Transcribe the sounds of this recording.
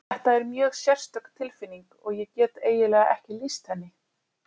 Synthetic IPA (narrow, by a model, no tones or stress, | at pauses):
θɛht̪aɛɾmjœːɣsjɛr̥st̪œkt̪ʰːɪlfɪnːiŋkɔɣjɛcɛːt̪eːjɪlɛːɣa̰ʔɛhcɪlist̪hɛnːɪ